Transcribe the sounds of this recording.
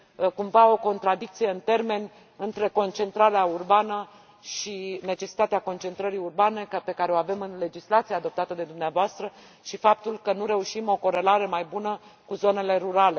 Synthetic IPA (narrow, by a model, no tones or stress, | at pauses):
kumvao̞ko̞nt̪ɾad̪ikt̪sije̞ɨnt̪e̞rme̞nʲ | ɨnt̪ɾe̞ko̞nt͡ʃe̞nt̪ɾaɾeaurbanə | ʃine̞t͡ʃe̞si̥t̪at̪eako̞nt͡ʃe̞nt̪ɾəɾiurbane̞pe̞kaɾe̞oave̞mɨnle̞d͡ʒislat̪sijead̪o̞p̚t̪at̪əd̪e̞d̪umneavoast̪ɾə | ʃifap̚t̪ulkənuɾe̞uʃimo̞ko̞ɾe̞laɾe̞majbunəkuzo̞ne̞le̞ɾuɾale̞